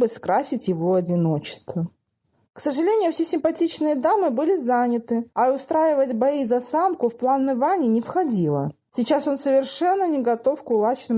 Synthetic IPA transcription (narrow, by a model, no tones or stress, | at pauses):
bɨskɾasʲɪtʲjɪvo̞ɐdʲɪno̞t͡ɕɪ̥st̪və | ksəʐɨlʲenʲɪjʊfsʲesʲɪmpɐtʲit͡ɕnɨjəd̪amɨbɨlʲɪzanʲɪt̪ɨɐʊst̪ɾajɪvətʲbɐizɐsamkʊfplˠanːɨvanʲɪnʲɪfxɐdʲilˠə̰ | sʲɪt͡ɕaso̞nsəvʲɪrʂɛnːənʲɪɡɐt̪o̞fkʊlˠat͡ɕnɨm